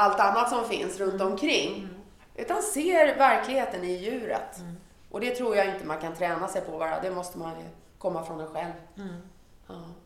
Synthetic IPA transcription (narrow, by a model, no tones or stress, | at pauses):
alt̪anːat̪sɔmfɪnsɾɵnt̪ɔmkʰɾɪŋː | ʔʉ̟ːt̪anseːɾvæɾklɪɡheːt̪ənɪjʉ̟ːɾə̰t̪ | ʔɔd̪ɛt̪ʰɾuːɾjaɪnt̪əmankʰant̪ʰɾɛːnasɛjpʰɔbɑːɾa̰d̪ɛmɔst̪əmanjɵ̰ | kʰɔmːafɾɔnɛnɧɛlv | ɑː